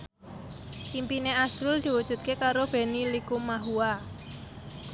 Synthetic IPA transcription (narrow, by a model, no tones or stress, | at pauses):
t̪impineasɾʊld̪̥i̤wud̥ʒ̥ṳt̪̚kekaɾob̥e̤nilikʊmːaɦua